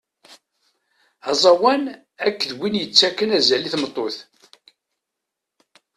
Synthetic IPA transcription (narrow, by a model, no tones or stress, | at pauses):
ɑzˤɑwæn | ækːəðwinjət͡sːækːənæzæliθmət̪ˤːoθ